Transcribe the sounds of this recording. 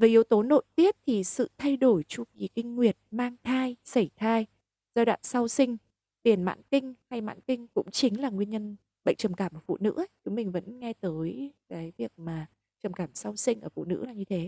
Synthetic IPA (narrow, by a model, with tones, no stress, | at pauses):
veː˨˩ʔi˨˦əwt̪o˨˦no̰˧˨jt̪i˦˥əp̚t̪ʰi˨˩sɨ̰˧˨t̪ʰa˧jɗo˧˩jt͡ɕu˧vi˨˩kï˧ŋ̟ːwi˨˩ət̚maː˧ŋt̪ʰaː˧jsə˧˩jt̪ʰaː˧j | zaː˧ɗa̰ː˧˨nsa˧wsï˧ŋ̟ | t̪i˨˩ənma̰ː˧˥nkï˧ŋ̟ha˧jma̰ː˧˥nkï˧ŋ̟kʊ̰˧˥ŋ͡mt͡ɕï˨˦ŋ̟laː˨˩ŋwi˧ənɲə˧n | ɓə̰˧˨ŋ̟t͡ɕə˨˩mkaː˧˩mʔəː˧˩fṵ˧˨nɨ̰˧˥˦t͡ɕʊ˨˦mï˨˩ŋ̟və̰˧˥nŋɛ˧t̪əː˨˦jkaː˨˦jvi˨˩ək̚maː˨˩ | t͡ɕə˨˩mkaː˧˩msa˧wsï˧ŋʔəː˧˩fṵ˧˨nɨ̰˧˥laː˨˩ɲɨ˧t̪ʰe˨˦